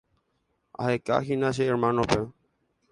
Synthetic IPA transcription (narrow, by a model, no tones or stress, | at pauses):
a̰heka̰xinãʃ̬eːɾmãnope